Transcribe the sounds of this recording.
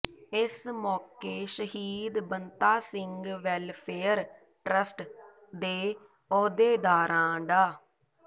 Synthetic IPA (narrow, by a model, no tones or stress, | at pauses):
ɪsmɔːkeːʃəhiːd̪bənt̪aːsɪŋɡʋɛːlpʰeːəɾ | ʈɾəsʈ | d̪eː | ɔːd̪eːd̪aːɾãːɖaː